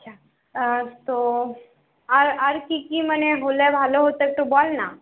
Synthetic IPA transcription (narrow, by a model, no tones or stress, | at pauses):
ɐtːt͡ʃʰa | t̪o | əɾəɾkikiməneɦolebʱaːloɦot̪ek̚ʈ̪obɔlna